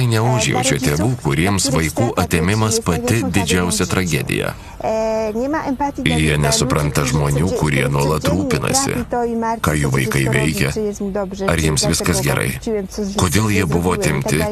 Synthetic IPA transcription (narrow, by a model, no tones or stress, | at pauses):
ɐɪnʲɛʊʒʲjɛ̰ʊt͡ʃʲɛt̪ʲeːʋuːkʊɾʲiɛmsʋɐɪkuːʔɐt̪ʲeːmʲɪmɐspɐt̪ʲɪd̪ʲɪd͡ʒʲɛʊsʲɛt̪ɾɐɡʲɛ̰d̪ʲɪ̰jɛ̰ | jiɛnʲɛsʊpɾɐnt̪ɐʒmoːnʲuːkʊɾʲiɛnuɔlˠɐt̪ɾuːpʲɪnɐ̰sʲɪ̰kɑːjuːʋɐɪkɐɪʋʲɛɪkʲɛ | ɐɾjɪɛmsʋʲɪskɐsɡʲɛɾʔɐ̰ɪkoːd̪ʲeːlˠjiɛbʊʋoːt̪ʲɪmʲt̪ʲɪ